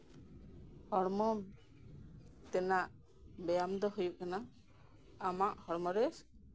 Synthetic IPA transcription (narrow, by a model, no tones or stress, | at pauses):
hɔɾmɔm | t̪ɛnaʔ | bɛjamd̪ɔɦujuʔ̚kana | amaʔhɔɾmɔɾɛs